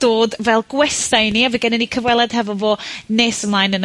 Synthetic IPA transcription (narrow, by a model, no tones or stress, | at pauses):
d̥oːdvɛlˠɡ̥wɛstajniaviːɡɛnɛnikʰəvwɛlˠɛd̥hɛvɔvoːneːsəmlˠajnən